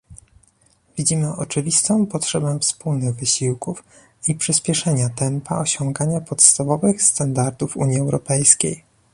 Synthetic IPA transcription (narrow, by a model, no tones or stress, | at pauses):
vʲid͡ʑimɘʔɔt͡ʂɘvʲist̪ɔ̃w̃pɔtʂɛbɛ̃fspulnɘɣvɘɕiwkuf | ipʂɘspʲjɛʂɛɲat̪ɛmpa̰ɔɕɔ̃ŋɡaɲapɔt̪st̪avɔvɘxst̪and̪aɾd̪ufṵɲjiɛwɾɔpɛjskʲḛj